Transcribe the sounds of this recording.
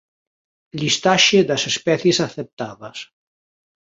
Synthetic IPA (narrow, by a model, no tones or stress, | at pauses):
ʎist̪aʃeðasespɛθjesaθep̚t̪aðɐs